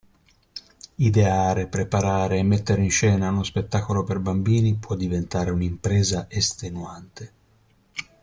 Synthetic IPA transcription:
id̪eaːɾepɾepaɾaːɾeːmːet̪ːeɾeinʃɛːnaunospet̪ːaːkoloperbambiːnipwɔd̪ːivent̪aːɾeunimpɾɛːzaʔest̪enuant̪e

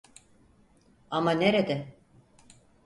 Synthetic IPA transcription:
amaneɾed̪e

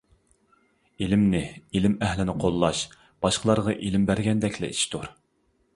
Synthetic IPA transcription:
ilɪmnɪilɪmɛɦlɪnɪqʰolˠːɑʃ | b̥ɑʃqəlˠɑɾʁɑʔilɪmbæɾɡʲɛnd̪ɛkʲlɛ̰it͡ʃt̪uɾ

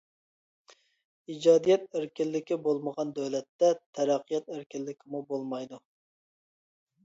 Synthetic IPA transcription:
id͡ʒɑːd̪ijɛt̪̚eɾkʲilːɪkʲibolˠməʁɑnd̪øwlɛt̪ːɛt̪ʰɛɾɑqʰːijɛt̪æɾkʲilːɪkʲʰɪmubolˠmɑjd̪u

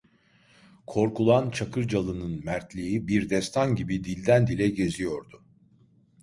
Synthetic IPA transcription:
kʰo̞ɾkulˠant͡ʃʰakʰɯɾd͡ʒalˠɯnɯnmæɾt̪lʲijibiɾd̪ɛst̪ʰanɟibid̪ilʲd̪ænd̪ilʲɛɟe̞zijo̞ɾd̪ʊ

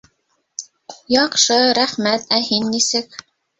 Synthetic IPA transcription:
jɑqʃɤɾæχmæt̪æhinːisɘk

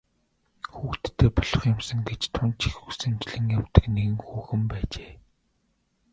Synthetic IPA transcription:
xuːkt̪ʰːeːpɔɮɞ̆χjʊ̆msə̆ŋɡet͡ɕt̪ʰʊnt͡ɕʰixusɘ̆mt͡ɕɮɘ̆ŋjawt̪ə̆kneɣɘ̆ŋxuːxɘ̆mpæːt͡ɕeː

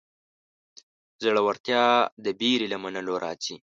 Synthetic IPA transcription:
zəɽawaɾt̪jɑd̪əbiɾilamanəloɾɑ̰ːt͡si

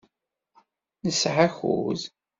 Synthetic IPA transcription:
nəsʕaçṵz

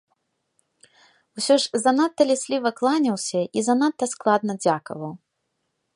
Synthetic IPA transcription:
usʲɔʐzanat̪ːɐlʲɛsʲlʲivɐklˠanʲɐwsʲɐizanat̪ːɐsklˠad̪̚nɐd͡zʲakɐ̰vɐw

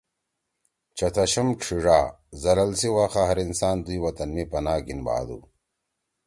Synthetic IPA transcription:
t͡ɕɐt̪ʰɐɕɐmkʂʰiʐaː | zɐlɐlsiwaxaɦɐɾinsaːnd̪ujwɐt̪ɐnmipɐnaːɡinba̰ːd̪ṵ

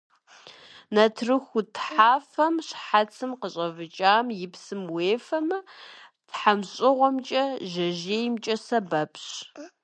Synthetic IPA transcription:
nɐtʰrɨxʷutʰħaːfɐmɕħat͡sʰɨmqəɕʼɐvɨt͡ʃʼaːmjɪpsɨmweːfɐmɨ | tħamɕʼɪʁʷɔmt͡ʃʼɐʒɐʒeːjmt͡ʃʼɐsɐbɐpʰɕ

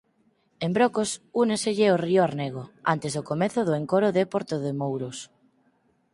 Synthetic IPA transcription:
embɾokosuneseʎɪorioaɾneɣ̞oant̪ezðokomeθʊðʊeŋkoɾʊðepoɾt̪oðemowɾos

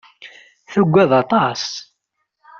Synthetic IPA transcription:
θuɡʷːæðɑt̪ˤɑs

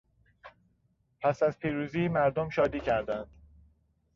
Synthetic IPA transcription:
pʰæsæzpʰiːɾuːziːmæɾd̪omʃɒːd̪iːcʰæɾd̪ænd̪̥

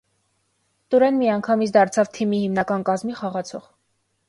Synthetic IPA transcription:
t̪uɾɛnmiɑŋkʰɑmit͡sʰd̪ɑɾt͡sʰɑvt̪ʰimihimnɑkɑnkɑzmiχɑʁɑt͡sʰɔʁ

